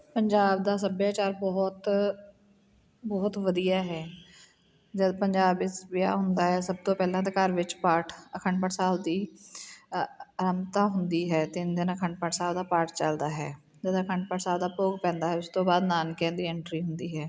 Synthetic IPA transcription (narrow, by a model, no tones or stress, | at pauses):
pəɲd͡ʒaːbd̪aːsəbjaːt͡ʃaːɾbɔːt̪ | bɔːt̪ʋəd̪ijaːɦɛː | d͡ʒəd̪pəɲd͡ʒaːbɪsʋɪja̰ːɦʊnd̪aːɦɛːsəb̚t̪õːpɛːlãːt̪akəɾʋɪt͡ʃpaːʈʰəkʰəɳɖpəʈsaːld̪iː | ɾəmt̪aːɦʊnd̪iːɦɛːt̪ɪnd̪ɪnəkʰəɳɖpəʈsaːld̪aːpaːɾʈt͡ʃəld̪aːɦɛ̰ː | d͡ʒəd̪ːkʰəɳɖpəʈsaːld̪aːpoːɡpɛ̃ːnd̪aːɦɛːʊst̪õːbaːd̪naːnkẽːd̪iːɛɳʈɾiːɦʊnd̪iːɦɛː